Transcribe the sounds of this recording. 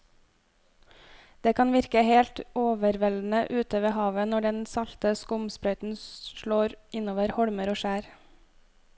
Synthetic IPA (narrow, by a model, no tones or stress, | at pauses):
d̪̥eːkʰɑnʋɪɾkəheːlt̪oːʋəɾʋɛln̩əʔʉːt̪əʋeːhɑːʋənɔɖɛnsɑlt̪əskʊmspɾœʏt̪n̩ʃɭoːɾʔɪnoːʋəɾhɔɽməɾoːʃæːɾ